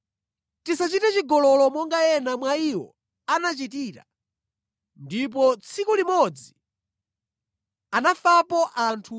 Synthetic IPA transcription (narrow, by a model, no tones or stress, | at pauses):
tisat͡ʃitɛt͡ʃiɡɔlɔlɔmɔŋɡajɛnamwaiwɔ̰ | anat͡ʃitiːɾa̰ | ndip̬ɔt͡sʰikulimɔd͡zi | anafapɔʔantʰu